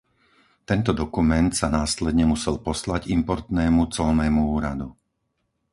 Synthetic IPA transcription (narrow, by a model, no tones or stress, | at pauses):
t̪ɛnt̪ɔd̪ɔkumɛnt̪sanaːslɛd̪ɲɛmusɛlpɔslaɟimpɔɾt̪nɛːmut͡sɔlnɛːmuuːɾad̪u